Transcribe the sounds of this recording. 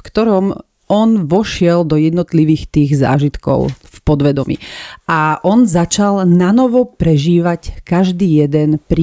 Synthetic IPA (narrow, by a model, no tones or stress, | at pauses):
fkt̪ɔɾɔm | ɔnʋɔʃɪɛld̪ɔjɛd̪nɔt̪liʋiːxt̪iːɣza̰ːʒit̪kɔ̰ʊfpɔd̪ʋɛd̪ɔmḭʔaʔɔnzat͡ʃalnanɔʋɔpɾɛʒiːʋackaʒd̪iːjɛd̪ɛnpɾi